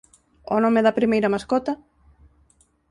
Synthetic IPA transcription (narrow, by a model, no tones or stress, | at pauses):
onomɪðɐpɾimejɾɐmaskɔt̪ɐ